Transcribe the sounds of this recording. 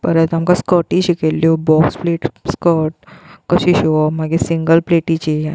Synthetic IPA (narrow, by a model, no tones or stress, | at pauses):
pəɾɛt̪amkaskɔʈĩɕikeljobɔkspleʈskɔʈ̚kəsiɕiɔmaɡisiŋɡəlpleʈit͡ɕija